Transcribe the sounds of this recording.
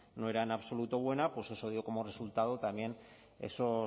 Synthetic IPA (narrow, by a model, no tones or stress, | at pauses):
no̞e̞ɾaenaβso̞lut̪o̞β̞we̞napwesosoðjoko̞more̞sult̪að̞ot̪amje̞n | e̞̰so